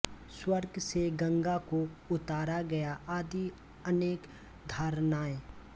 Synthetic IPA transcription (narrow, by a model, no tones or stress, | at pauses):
swəɾɡseɡɐ̃ŋɡakoʊt̪aːɾaɡɐjaʔaːd̪i | əneːk | d̪ʱaːɾnaːẽ